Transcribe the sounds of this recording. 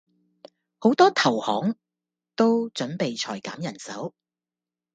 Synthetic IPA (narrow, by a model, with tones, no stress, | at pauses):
ho˨˥wt̪ɔː˥t̪ʰɐ˨˩whɔ̰ː˨˥ŋ | t̪o˥wt͡ʃɵ˨˥npe˨jt͡ʃʰɔː˨˩jkaː˨˥mjɐ˨˩nsɐ˨˥w